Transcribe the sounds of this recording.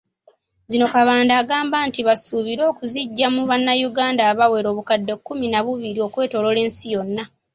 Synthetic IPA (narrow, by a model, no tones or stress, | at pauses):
zino̞kaβaːndaːɡaːmbaːntiβasuβiɾo̞ːkuziɟːamuβanːajuɡaːndaːβawe̞ɾo̞ːβukadːe̞kːuminaβuβiɾio̞kwe̞ːto̞lo̞le̞ːnsijo̞nːa